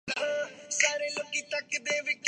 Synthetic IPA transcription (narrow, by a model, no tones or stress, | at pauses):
kaːɾeːlokiːt̪əkd̪eːʋɪk